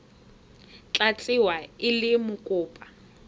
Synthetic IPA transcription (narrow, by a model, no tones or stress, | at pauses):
t͡ɬʼat͡sʼɪwaɪlɪmʊkʼʊːpʼa